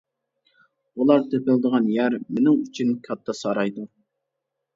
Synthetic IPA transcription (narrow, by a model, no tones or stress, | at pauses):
ulˠɑɾt̪ʰøpɪld̪əʁɑnjæɾmenɪŋyt͡ʃʰynkʲʰɑt̪ʰːɑsɑɾɑjd̪u